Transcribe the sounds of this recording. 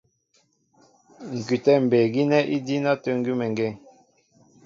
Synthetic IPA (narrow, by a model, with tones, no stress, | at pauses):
ŋ̩˨ky˨tɛ˦˨m̩˨bɛ˨ɡi˦nɛ˦ʔi˦di˦na˦tø˦ŋ˦ɡy˦mɛ˨ŋɡɛ˦˨ŋ